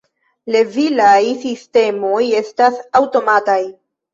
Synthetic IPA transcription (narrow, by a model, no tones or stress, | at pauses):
le̞vilajsiste̞mo̞je̞stasawto̞mataj